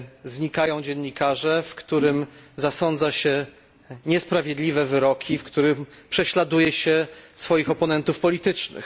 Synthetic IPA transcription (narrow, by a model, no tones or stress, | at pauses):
zɲikajɔ̃w̃d͡ʑɛɲːikaʐɛfkt̪uɾɘmzasɔnd̪zaɕɛ | ɲɛspɾavʲjed̪lʲivɛvɘɾɔkʲʰifkt̪uɾɘmpʂɛɕlad̪ujɛɕɛsfɔjixɔpɔnɛnt̪ufpɔlʲit̪ɘt͡ʂnɘ̰x